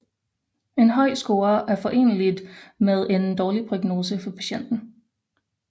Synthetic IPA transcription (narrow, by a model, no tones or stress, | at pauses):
e̝nɦɒ̽ɪ̰sɡ̥o̝ːɐʔæɐfɒ̽ʔe̝̰ːnəlid̥með̞ˠʔe̝nd̥ɒːlipʰʁoɡ̥no̝ːsəfɒ̽pʰæ̥ɕen̰d̥n̩